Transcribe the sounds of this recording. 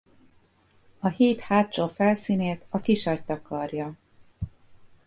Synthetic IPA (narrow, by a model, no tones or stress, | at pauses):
ɒhiːt̪haːt͡ʃoːfɛlsiːneːt̪ɒkiʃɒc̚t̪ɒkɒrjɒ